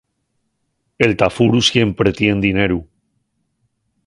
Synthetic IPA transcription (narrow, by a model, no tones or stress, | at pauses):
e̞lt̪afuɾusje̞mpɾet̪je̞nd̪ineɾu